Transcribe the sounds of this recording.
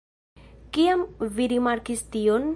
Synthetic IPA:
kiamviɾimaɾkistion

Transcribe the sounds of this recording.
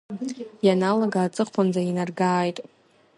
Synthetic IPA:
janaloɡaːt͡sʼɨχpʰand͡zainarɡaːjtʼ

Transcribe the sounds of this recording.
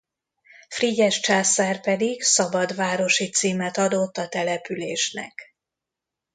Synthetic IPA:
friɟɛʃt͡ʃaːsaːrpɛd̪iɡsɒbɒd̪vaːɾo̞ʃit̪siːmɛt̪ɒd̪o̞t̪ːɒt̪ɛlɛpyleːʃnɛ̰k

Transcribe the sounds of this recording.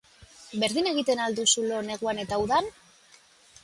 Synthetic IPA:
be̞ɾðine̞ɣ̞it̪e̞nald̪usulo̞ne̞ɣuane̞t̪auðan

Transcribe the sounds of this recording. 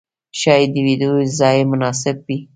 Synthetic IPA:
ʃɑjd̪əwid̪ozɑjemʊnɑsɪb̚wi

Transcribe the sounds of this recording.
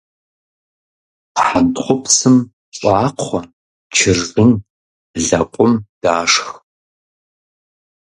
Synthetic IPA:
qħantχʷʊpsɨm | ɕʼɑːqʰʷɔ | t͡ʃʰɪrzɨn | ɮɐkʷʼʊmd̥aːʂx

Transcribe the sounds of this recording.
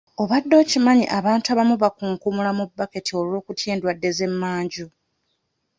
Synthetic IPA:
o̞βadːo̞ːcimaɲiʔaβaːntuaβamuβakuːŋkumulamubːake̞tio̞lo̞ːkutjeːndwadːe̞ze̞mːaːɲɟo

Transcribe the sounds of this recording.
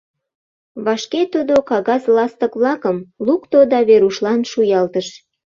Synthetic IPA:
βɑʃket̪ud̪okɑɣɑzlɑst̪ə̆kβlɑkəmlukt̪od̪ɑβeɾuʃlɑnʃujɑlt̪əʃ

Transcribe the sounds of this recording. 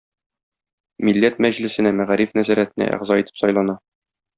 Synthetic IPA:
milːæt̪̚mæʑlɘ̆sɘ̆næmæʁæɾifnæzæɾæt̪ɘ̆næ̰ʔæ̰ʁzɑit̪ɘ̥psɒjlˠɑnɑ

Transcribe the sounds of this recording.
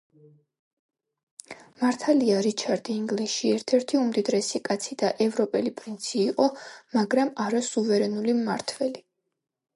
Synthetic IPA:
maɾt̪ʰaliaɾit͡ʃʰaɾd̪iːŋɡliʃiɛɾt̪ʰɛɾt̪ʰiumd̪id̪ɾɛsikʼat̪sʰid̪aʔɛvɾɔpʼɛlipʼɾint̪sʰiːqʼɔmaɡɾamaɾasuvɛɾɛnulimːaɾt̪ʰvɛli

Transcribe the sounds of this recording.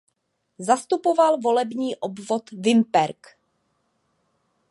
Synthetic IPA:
zast̪upovalvo̞lɛbɲiːʔobvot̪vɪmpɛɾk

